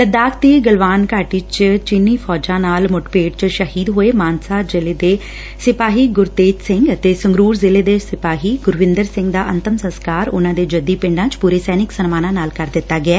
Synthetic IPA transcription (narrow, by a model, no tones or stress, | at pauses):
t̪əd̪aːkt̪iːɡəlʋaːnkaːʈiːt͡ʃt͡ʃiniːpʰɔːd͡ʒãːnaːlmʊʈpeːɖt͡ʃʃəhiːd̪ɦoːeːmaːnsaːd͡ʒɪleːd̪eː | sɪpaːɦiːɡʊɾt̪eːt̪sɪŋɡt̪eːsəŋɡɾuːɾzɪleːd̪eːsɪpaːɦiːɡʊɾʋɪ̃nd̪əɾsɪ̃ŋɡd̪aːʔənt̪əmsə̃nskaːɾʊ̰nãːd̪eːd͡ʒəd̪iːpɪ̃ɳɖãːt͡ʃpuːɾeːsɛːnɪksənmaːnãːnaːlkəɾd̪ɪt̪ːaːɡɪɛː